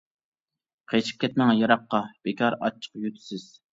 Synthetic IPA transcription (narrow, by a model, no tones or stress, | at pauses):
qʰet͡ʃʰi̥p̚kʲʰɛt̪̚mɛŋjɑɾɑqːɑb̥ekʲʰɑɾɑ̰t͡ʃʰːə̥qjyt̪ʰɪ̥sɪz̥